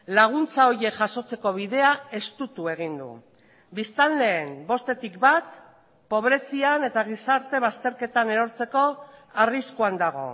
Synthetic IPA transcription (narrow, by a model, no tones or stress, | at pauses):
laɣ̞unt͡sao̞ɾje̞kʝaso̞t͡se̞ko̞β̞iðe̞ae̞st̪ut̪ue̞ɣ̞ind̪ṵ | bist̪anle̞ːmbo̞st̪e̞t̪ikbat̪ | po̞β̞ɾe̞siane̞t̪aɣisaɾt̪e̞βast̪e̞ɾke̞t̪aneɾo̞ɾt͡se̞ko̞ariskuand̪aɣ̞o̞̰